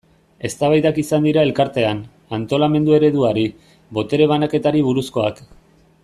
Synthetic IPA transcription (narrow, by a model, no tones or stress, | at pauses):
e̞st̪aβajðakisand̪iɾae̞lkaɾt̪e̞an | ant̪o̞lame̞nd̪ue̞ɾe̞ðuaɾi | βo̞t̪e̞ɾe̞β̞anake̞t̪aɾiβ̞uɾusko̞ak